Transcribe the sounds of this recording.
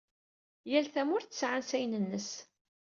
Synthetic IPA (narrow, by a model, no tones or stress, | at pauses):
jælθæmʊɾθə̥sʕansæjnənːəs